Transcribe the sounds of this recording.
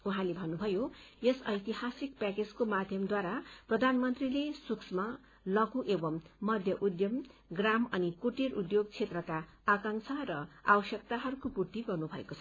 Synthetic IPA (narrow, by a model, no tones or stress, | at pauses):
uɦãlebʱʌnːubʱʌjojesʌjt̪iɦasik̚paked͡zkomad̪ʱjʌmd̪waɾaprʌd̪ʱanmʌnt̪rilesuksma | lʌɡuʔebʌmːʌd̪ʱjʌʔud̪jʌmɡramʌnikoʈiɾud̪joɡt͡sʰet̪rʌkaː | kaŋsʰarʌawʌsjʌk̚t̪aɦʌɾukopurt̪iɡʌrnubʱʌḛkot͡sʰʌ